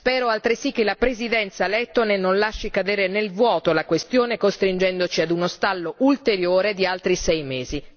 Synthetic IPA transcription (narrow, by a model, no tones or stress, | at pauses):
spɛːɾoalt̪ɾisikːelapɾezid̪ɛnt̪salɛt̪ːonenonlaʃːikad̪eːɾenelvwɔːt̪olakwest̪joːnekost̪ɾind͡ʒɛnd̪ot͡ʃiad̪unost̪alːoʔult̪eɾjoːɾed̪ialt̪ɾisɛjmeːzi